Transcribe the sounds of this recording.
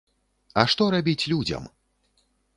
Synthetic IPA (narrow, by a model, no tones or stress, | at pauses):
ɐʂt̪ɔɾabʲit͡sʲlʲud͡zʲɐ̰m